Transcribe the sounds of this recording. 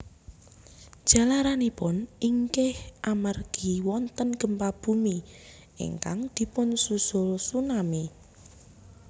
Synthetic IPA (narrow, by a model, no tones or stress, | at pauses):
d̥ʒ̥a̤laɾanipʊniŋkɪhʔamarɡ̥i̤wɔnt̪ənɡ̥ə̤mpab̥ṳmi | ʔḭŋkaŋd̪̥i̤pʊnsusɔlsunami